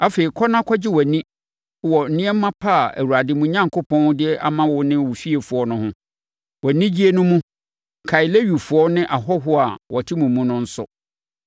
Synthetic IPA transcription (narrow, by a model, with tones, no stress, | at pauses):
a˦fe˨i˨kʰɔ˦nã˦kʰɔ˦d͡ʑɪ˦wɔ˨nĩ˦ | wɔ˨n̩˨nɪ̃˦ɛ˦m˦mã˦pʰa˦˨æ̰˨wu˨ɾa˨dɪ˨˦mũ˦ɲã˦ŋkʰo˦pʰɔ̃˦n˦dɪ˦ɛ˦ʔa̰˦mã˦wʊ˦nɪ̃˦wʊ˨ɕi˦e˨fʊ˨ɔ˦nʊ̃˦hʊ̃˦ | wɔ˨nĩ˦d͡ʑi˦e˦nʊ̃˦mũ˦ | kʰa˨i˨le˦ɥu˨fʊ˨ɔ˦nɪ̃˦ʔa˨ɦɔ˦ɦʊ˦a˨wʔɔ˨tʰi˦mũ˨mːũ˦nʊ̃˦n̩˦sʊ̰˦